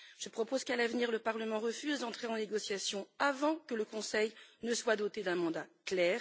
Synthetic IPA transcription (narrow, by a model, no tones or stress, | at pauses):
ʒ̥əpχɔpozkalavniʁləpaʁləmɑ̃ʁəfyzd̪ɑ̃t̪χeɑ̃neɡɔsjasjɔ̃avɑ̃kələkɔ̃sɛjnəswad̪ot̪ed̪ɛ̃mɑ̃d̪aklɛːʁ